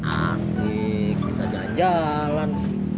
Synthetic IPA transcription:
a̰si | kisad͡ʒaɲd͡ʒa | lan

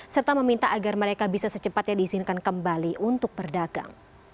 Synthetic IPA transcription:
sərt̪aməmint̪aʔaɡarməɾekabisasət͡ʃəpat̪̚jadiːzinkankəmbaliʔunt̪ʊk̚bərdaɡ̥a̰ŋ

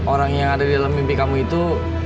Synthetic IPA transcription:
oɾaŋjaŋadadidalamːimpikamuit̪u

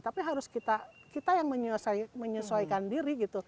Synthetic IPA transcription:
t̪apiɦaɾʊskit̪akit̪ajaŋməɲəsajməɲəsoikandiɾiɡit̪u

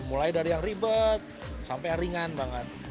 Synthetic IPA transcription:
mulajdaɾijaŋribət̪̚sampajaɾiŋanbaŋət̪̚

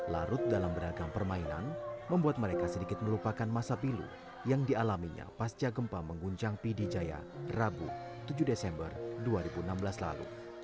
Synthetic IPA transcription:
la̰ɾʊt̪̚dalambəɾaɡampərmaina̰nməmbuat̪̚məɾekasədikɪt̪̚məlupakanmasapilṵ | jaŋdialamiɲa̰past͡ʃaɡəmpaməŋɡuɲt͡ʃaŋpidid͡ʒaja̰rabṵt̪ud͡ʒudesɛmbə̰rduaɾibuənambəlasla̰lṵ

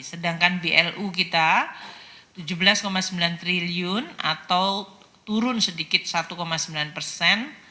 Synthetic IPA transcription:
sədaŋkanbeʔɛlʔukit̪a | t̪ud͡ʒubəlaskomasəmbilant̪ɾiliʊna̰t̪aw | t̪uɾʊnsədikɪt̪̚sat̪ukomasəmbilanpərsɛn

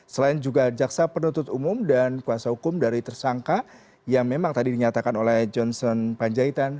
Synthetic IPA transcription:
səlaɪnd͡ʒuɡad͡ʒaksapərnut̪ʊt̪umʊmdankuasahukʊmdaɾit̪ərsaŋka | jaŋmemaŋt̪adidiɲat̪akanolɛhd͡ʒɔnsɔnpaɲd͡ʒait̪an

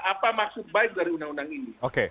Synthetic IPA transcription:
apamaksʊk̚baik̚daɾiunaŋunaŋinioke

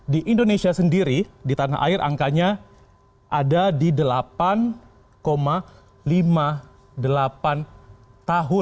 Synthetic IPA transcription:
diʔindonesiasəndiɾidit̪anaʔa̰ɪrʔa̰ŋkaɲa | ʔadadidəlapan | koma | lima | dəlapan | t̪aɦʊ

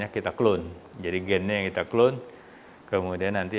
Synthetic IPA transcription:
ɲakit̪aklʊnd͡ʒadiɡɛnɲajaŋkit̪aklʊn | kəmudianːant̪i

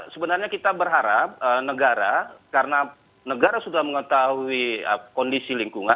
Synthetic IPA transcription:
səbənarɲakit̪abərɦaɾap̚ənəɡaɾakaɾəna | nəɡaɾasudahməŋət̪ahuiə̰kɔndisiliŋkuŋa

